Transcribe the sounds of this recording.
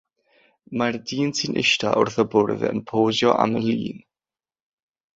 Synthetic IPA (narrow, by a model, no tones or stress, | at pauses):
mardiːnsʰinʔɪ̰ʃta̰ʔʊrθɔbʊrvɛ̰ənpʰoːzjɔʔa̰mənlḭːn